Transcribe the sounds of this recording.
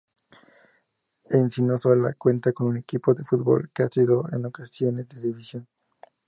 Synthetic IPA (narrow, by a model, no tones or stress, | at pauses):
ensinosola̰kwe̞nt̪ako̞nune̞kipo̞ðefud̪̚bo̰lkeasiɾoḛno̞kasjo̞ne̞zd̪eðiβisjon